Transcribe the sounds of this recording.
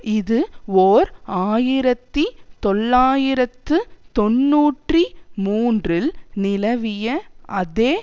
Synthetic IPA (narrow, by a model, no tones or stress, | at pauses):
ɪðɯoːɾaːjɪɾɐt̪ːit̪ɔɭːaːjɪɾɐt̪ːɯt̪ɔnːuːʈrimuːndrɪlnɪlɐʋɪjɐʔɐðeː